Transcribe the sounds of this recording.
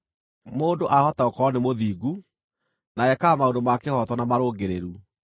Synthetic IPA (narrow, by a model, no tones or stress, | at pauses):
moːndoʔahɔtaokɔnemoðiːɡu | naɛkamaondomakehɔtwɔnamaɾoːɡeɾeɾu